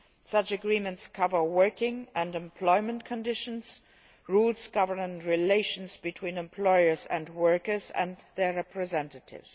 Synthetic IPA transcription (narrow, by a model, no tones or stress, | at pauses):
sʌt͡ʃɨɡɹĩmə̃ntskʰʌvə˞wɜ˞kɪ̃ŋə̃nɛ̃mpʰl̥ɔɪmə̃nkʰə̃ndɪʃə̃nz̥ | ɹuz̥ɡ̥ʌvə˞nə̃nɹileɪʃɨ̃n̩zbɨtʰw̥ĩnɛ̃mpʰl̥ɔɪə˞zɨ̰̃ndwɜ˞kə˞zɨ̰̃nðə˞ɹɛpɹɨzɛ̃ntətʰɪ̰vz̥